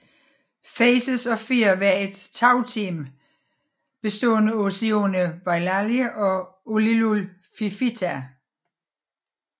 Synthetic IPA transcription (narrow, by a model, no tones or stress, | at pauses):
fɛɪsəsɒ̽fiɐʋæɐe̝d̥t͡sʰɑ̈ʊt͡sʰḭːm | b̥e̝sd̥ɔ̰̽ːnəosionəb̥ɑ̈ɪlæljəʔɒ̽olilulfifit͡sʰæ